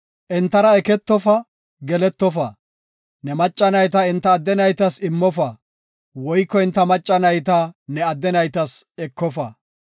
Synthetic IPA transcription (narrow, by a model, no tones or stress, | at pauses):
ʔɛnt̪ːɐɾɐɛkɛt̪ːɔfɐ | ɡɛlɛt̪ːɔfɐ | nɛmɐt͡ʃʼːɐnɐjt̪ɐɪnt̪ːɐːd̪ːɛnɐjt̪ɐsɪmːɔfɐ | wɔjkːɔɪnt̪ːɐmɐt͡ʃʼːɐnɐjt̪ɐnɛɐd̪ːɛnɐjt̪ɐsɛkːɔfɐː